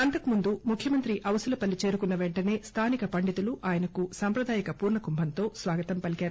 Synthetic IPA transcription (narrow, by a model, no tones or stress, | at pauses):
ɐnt̪ɐkumund̪umukʰjɐmɐnt̪ɾiʔɐʋɐsɐlɐpɐlːit͡ʃe̞ːɾukunːɐʋeɳʈɐne̞ːst̪ʰaːnikɐpɐɳɖit̪uluʔaːjɐnɐkusaːmpɾɐd̪aːjɐkɐpuːɾɳɐkumbʱɐnt̪o̞ːsʋaːɡɐt̪ɐmpɐlikaːɾu